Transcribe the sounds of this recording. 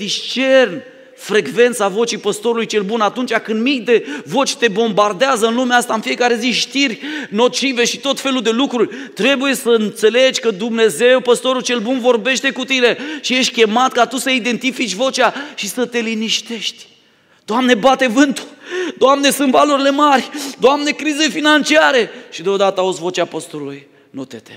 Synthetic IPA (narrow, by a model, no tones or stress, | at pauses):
ist͡ʃe̞rn | fɾe̞ɡve̞nt̪savo̞t͡ʃipəst̪o̞ɾulujt͡ʃe̞lbunat̪unt͡ʃakɨnd̪mikd̪e̞vo̞t͡ʃʲt̪e̞bo̞mbard̪eazəɨnlumeast̪aɨnfije̞kaɾe̞ziʃt̪irʲno̞t͡ʃive̞ʃit̪o̞t̪fe̞luld̪e̞lukɾurʲt̪ɾe̞buje̞səɨnt̪se̞le̞d͡ʒʲkəd̪umne̞ze̞wpəst̪o̞ɾult͡ʃe̞lbunvo̞rbe̞ʃt̪e̞kut̪ine̞ʃije̞ʃt̪̚ʲkʲe̞mat̪̚kat̪usəid̪e̞nt̪ifit͡ʃʲvo̞t͡ʃʲaʃisət̪e̞liniʃt̪e̞ʃt̪ʲ | d̪̥oamne̞bat̪e̞vɨnt̪u̥d̪oamne̞sunt̪valoɾile̞marʲd̪oamne̞kɾize̞finant͡ʃiaɾe̞ʃid̪eo̞d̪at̪əaut̪svo̞t͡ʃapəst̪oluluj | not̪et̪e